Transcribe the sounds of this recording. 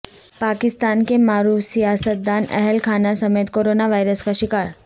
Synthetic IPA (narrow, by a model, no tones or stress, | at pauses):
pakist̪ankemaɾuːʋsijasət̪̚d̪anɛ̰ɦɛlkʰanasəmet̪koɾonaʋajɾəskaɕikaɾ